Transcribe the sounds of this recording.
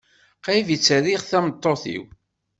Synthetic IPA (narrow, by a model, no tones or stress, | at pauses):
qævit͡sːæðiʁθæmət̪ˤːoθḭw